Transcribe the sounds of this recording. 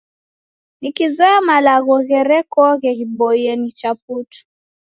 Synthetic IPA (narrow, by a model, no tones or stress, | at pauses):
nikizɔamalaɣɔɣɛɾɛkɔɣɛɣibɔjɛnit͡ʃaputu̥